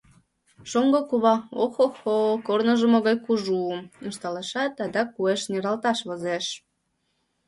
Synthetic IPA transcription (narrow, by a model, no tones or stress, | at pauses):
ʃoŋɡokuβɑoxoxokornəʒə̆moɣɑjkuʒuəmə̆nʃt̪ɑleʃɑt̪ɑd̪ɑkueʃneɾɑlt̪ɑʃβozeʃ